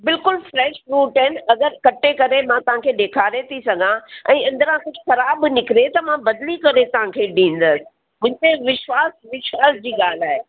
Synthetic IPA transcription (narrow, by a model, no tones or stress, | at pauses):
bɪlkʊlfɾɛːʃfɾuːʈɦɪnɪɐɡəɾkɐʈekɐɾemãt̪ɐʋ̤ãkʰeːɗeːkʰaːɾet̪ʰisɐɡʱãɛ̃ːɐ̃nd̪əɾãkʊd͡ʑʊxɐɾaːbnɪkɪɾet̪ɐmãbɐd̪likɐɾet̪ɐʋ̤ãkʰeːɗĩːn̆d̪əsɪ̥̆ | mʊ̃ɦɪ̃nt̪eʋɪʃwaːsʋɪʃwaːsd͡ʑiːɡaːl̤aːɦe